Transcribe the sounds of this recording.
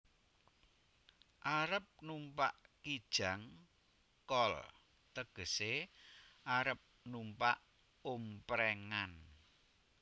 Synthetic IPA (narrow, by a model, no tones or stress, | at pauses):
ʔaɾəp̚numpa̰ʔkid̥ʒ̥a̤ŋ | kɔl | t̪əɡ̥ə̤se | ʔaɾəp̚numpa̰ʔ | umpɾɛŋan